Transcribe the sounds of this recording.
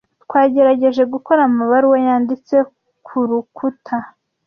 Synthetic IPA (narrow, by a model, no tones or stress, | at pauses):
tkwaːɟe̞ɾaɟe̞ʒe̞ɡuko̞ɾamaβaɾiwojaːndit͡se̞ | kʰuɾukʰutʰa